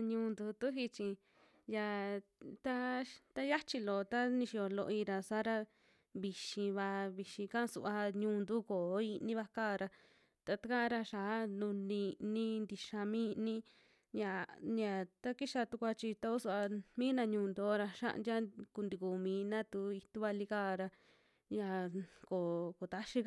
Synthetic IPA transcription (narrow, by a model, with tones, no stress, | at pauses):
ɲũː˧nd̪u˧t̪u˦ɦi˧t͡ʃĩ˧ | ja˧t̪a˦t̪a˦ja˦t͡ʃi˧lo˨t̪a˦nĩ˧ʃi˧o˧lo̰˧ʔi˧ɾa˧sa˦ɾa˧ | βi˧ʃĩ˧βa˧βi˧ʃĩ˧kã˦˧sṵ˧ʔa˧ɲũː˧nd̪u˦ko˨˦i˧nĩ˦βa˧kaː˦˨ɾa˧ | t̪a˧t̪a˦kã˦˧ɾa˧ʃa˨˦nũ˧nĩ˧nĩ˦nd̪i˧ʃa˧mĩ˦˧nĩ˦ | ɲã˨ɲã˨t̪a˦ki˦ʃa˧t̪u˧kʷa˧t͡ʃi˧t̪a˧u˦su˧a˧mĩː˦nã˧ɲũː˧nd̪o˨˦ɾa˧ʃã̰˦ʔdʲa˦ku˧nd̪i˧ku˨mĩː˨˦nã˦t̪u˧i˧t̪u˦βa˧li˧kaː˦˨ɾa˧ | ja˧ko˨ko˨t̪a˦ʃi˦˧